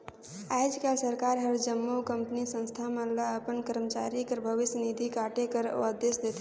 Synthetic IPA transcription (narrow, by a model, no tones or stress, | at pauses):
aɪd͡ʒkalsəɾkaɾɦəɾd͡ʒəmːokəmpənisə̃nst̪ʰamələəpənkəɾmət͡ʃa̰ɾikəɾbʱəʋɪsjənid̪ʱikaʈekəɾo̰əd̪esd̪et̪ʰ